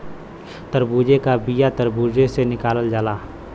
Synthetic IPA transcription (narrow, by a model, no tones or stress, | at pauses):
t̪əɾbuːd͡ʒekabijat̪əɾbuːd͡ʒesenɪkaːləld͡ʒaːlaː